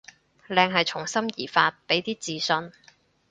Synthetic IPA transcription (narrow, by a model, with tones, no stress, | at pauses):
lɛː˧ŋɦɐ˨jt͡ʃʰʊ˨˩ŋsɐ˥mjiː˨˩faː˧t̚pe˨˥jt̪iː˥t͡siː˧sɵ˧n